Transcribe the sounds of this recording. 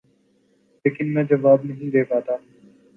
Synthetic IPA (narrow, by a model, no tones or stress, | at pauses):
leːkɪnmɛ̃ːd͡ʒɐʋaːbnɐɦĩd̪eːkaːt̪aː